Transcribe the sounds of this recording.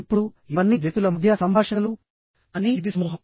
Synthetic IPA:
pːuɽuiʋɐnːiʋjek̚t̪ulɐmɐd̪ʰʱjasɐmbʱaːʂɐlu | ɐnid̪ismuɦ

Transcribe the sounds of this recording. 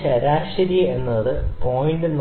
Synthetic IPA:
t͡ɕɐɾaːɕɐɾie̞nːɐðɨpo̞ːjɳɖɨn

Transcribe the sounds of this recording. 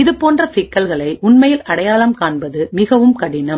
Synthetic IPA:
ɪðɯpoːndrɐsɪkːɐlɣɐɭɐɪʔʊɳmɐjɪlʔɐɽɐjaːlɐmkaːɳbɐðɯmɪɣɐʋɯmkɐɽɪnɐm

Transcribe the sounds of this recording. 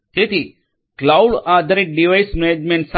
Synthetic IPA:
t̪et̪ʰi | klawɽad̪ʱɾeʈ̚ɖiʋajsmed͡ʒmẽɳʈs

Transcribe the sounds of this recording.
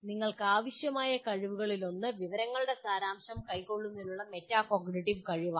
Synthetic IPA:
niŋːɐɭkɨaːʋiɕjɐmaːjɐkɐɻiʋuɣɐɭilo̞nːɨʋiʋɐɾɐŋːɐɭɨɽe̞saːɾaːmɕɐmkɐjko̞ɭːunːilːuɭːɐme̞tːaːkoɡɳiʈiʋkɐɻiʋa

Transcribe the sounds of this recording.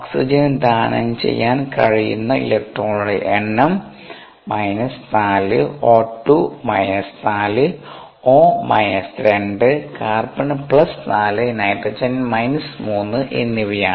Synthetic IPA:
oksid͡ʑɐnd̪aːnɐ̰nt͡ɕe̞̰jːaːnkɐ̰ɻijṵnːɐḭlek̚ʈroːɭuɽḛʔeɳːɐm | mɐjnɐsnaːlɨ̰oːʈːumɐjnɐst̪aːlɨ | oːmɐjnɐsɾeɳɖɨkaːrbɐɳpɭɐst̪aːlɨenaːjiʈːɐt͡ɕɐnmɐjnɐsmuːnːɨʔḛnːiʋɐjaː

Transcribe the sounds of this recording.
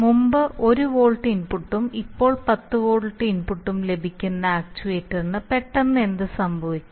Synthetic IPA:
mumbɨʔo̞ɾuʋo̞ːɭʈːiːnpuʈːumipːo̞ːɭpɐt̪ːɨʋoːɭʈːiːnpuʈːumle̞bʱikʲːunːɐaːk̚t͡ɕuʋeːtːernːɨpe̞ʈːɐnːe̞nd̪ɨsɐmbʱɐʋikʲːum

